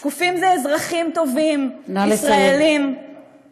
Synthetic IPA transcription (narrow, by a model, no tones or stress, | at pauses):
kufimzeezʁaχimt̪o̞vimnalsʁaelim